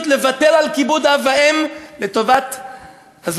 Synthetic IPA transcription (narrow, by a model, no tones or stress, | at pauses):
t̪levat̪elalkibud̪avaemlet̪o̞vat̪ | haz